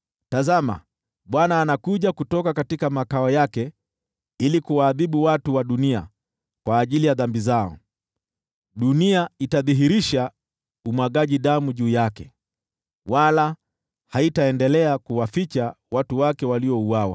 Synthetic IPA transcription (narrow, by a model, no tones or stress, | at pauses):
tazama̰ | ɓwanaːnakuʄakutɔkakatikamakaɔjakɛ | ilikuwaːðiɓuwatuwaɗunia̰ | kwaːʄilijaðambizaɔ̰ | ɗuniaitaðiɦiɾiʃa | umwaɠaʄiɗamuʄuːjakɛ | wala | haitaɛndɛlɛakuwafit͡ʃawatuwakɛwaliɔuwawa̰